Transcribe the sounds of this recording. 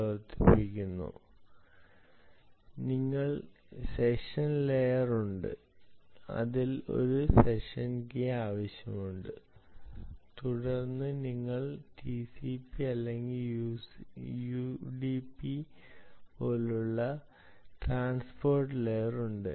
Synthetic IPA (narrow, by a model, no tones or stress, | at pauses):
ɐʋɐrt̪ːi̥pikʲːunːṵ | niŋːɐɭ | seʂɐnlejɐruɳɖɨ̰ | ɐ̰ðilo̞̰ɾuse̞ʂɐnkeaːʋɐɕjɐmuɳɖɨ | t̪uɽɐrnːɨniŋːɐɭʈisipiɐlːe̞ŋɡil | juɖipːi | po̞ːluɭːɐ | ʈraːnspo̞ːrʈɨlejɐruɳɖɨ̰